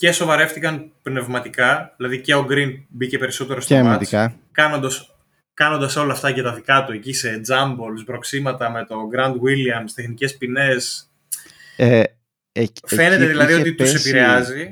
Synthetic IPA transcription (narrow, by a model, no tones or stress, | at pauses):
ce̞so̞vɐɾe̞ft̪ikɐnpne̞vmɐt̪ikɐðilɐðiceo̞ɡɾinbice̞pe̞ɾiso̞t̪e̞ɾosmɐtiskɐ | kɐno̞nd̪ɐs | kɐno̞nd̪ɐso̞lɐːft̪ɐʝɐt̪ɐðikɐt̪ue̞cise̞d͡zɐmbo̞lzbɾo̞ksimɐt̪ɐme̞t̪o̞ɡɾɐnd̪wiliɐmst̪exnice̞spine̞s | fe̞ne̞t̪eðilɐðiot̪it̪use̞piɾeɐzi